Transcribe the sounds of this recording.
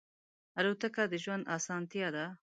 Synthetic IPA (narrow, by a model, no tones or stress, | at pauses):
aɾot̪akad̪əʒwand̪ɑsɑːnt̪jad̪a